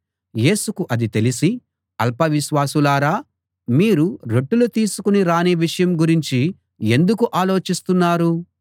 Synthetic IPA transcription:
je̞ːsukuʔɐd̪it̪e̞lisi | ɐlpɐʋiʃʋaːsulaːɾaː | miːɾuɾe̞ʈːulut̪iːsukuniɾaːneːʋiʂɐjɐmɡuɾiɲt͡ʃi | e̞nd̪ukuʔaːlo̞ːt͡ʃist̪unːaːɾu

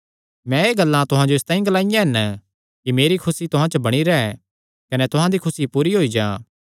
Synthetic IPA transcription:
mɛ̃eːɡɐlːãt̪ʊɦãd͡ʒoɪst̪aːĩɡɐlaːɪjãɦɪn | kimeːɾikʰʊsit̪ʊɦãt͡ʃəbɐɽ̃iɾɐɛ | kɐnɛt̪ʊɦãd̪ikʰʊsipuːɾiɦoːid͡ʒãː

